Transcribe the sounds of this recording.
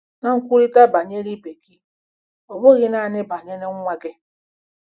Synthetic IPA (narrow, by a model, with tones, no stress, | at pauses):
na˨ŋ̩˦kʷu˦ɾi˦ta˦ba˨ɲe˦ɾi˦be˨ki˦ | ɔ˨bʊ˦ɣɪ˦na˨nɪ˦ba˨ɲe˦nɪ˦ŋ˦ŋʷa˦ɡɪ˦